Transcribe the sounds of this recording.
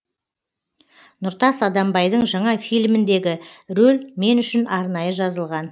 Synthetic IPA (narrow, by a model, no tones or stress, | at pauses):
nʊɾt̪ɑsɑd̪ɑmbɑjd̪əɴʒɑɴɑfijlʲmɪnd̪e̞ɡʲɪɾɵlʲme̞nʏʃɪnɑɾnɑjəʒɑzəlˠʁɑn